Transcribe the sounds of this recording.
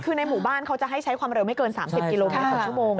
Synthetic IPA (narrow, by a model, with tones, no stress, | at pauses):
kʰɯː˧na˧jmuː˩˦baː˥˩nkʰa˦˥wt͡ɕa˨˩ɦa˥˩jt͡ɕʰa˦˥jkʰwaː˧mɾe˧wma˥˩kɤː˧nsaː˩˦msi˨˩p̚ki˧loː˧a˥˩˨ə˨moː˧ŋ